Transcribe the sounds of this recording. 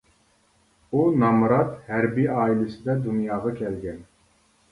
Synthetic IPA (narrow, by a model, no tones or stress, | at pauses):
unɑmɾɑt̪hɛɾbiɑːilɪsɪd̪ɛd̪unjɑːʁɑkʲʰɛlɡʲɛn